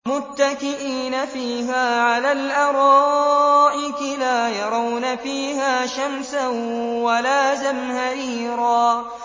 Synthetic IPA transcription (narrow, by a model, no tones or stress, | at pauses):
mʊt̪ːakɪʔiːnafiːɦaːʕalaːlʔɑɾˤɑːʔɪkɪlaːjɑɾˤɑwnafiːɦaːʃamsawalaːzamhaɾiːɾaː